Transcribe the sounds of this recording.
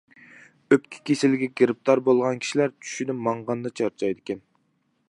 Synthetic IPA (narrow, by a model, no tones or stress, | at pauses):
øpkʲʰi̥kʲʰesɪlɡʲɛɡʲeɾɪp̚t̪ʰɑɾbolˠʁɑnkʲʰi̥ʃilæɾt͡ʃʰy̥ʃyd̪ɪmɑɴʁɑnd̪ɑt͡ʃʰɑɾt͡ʃʰɑjd̪ɪkʲʰɛn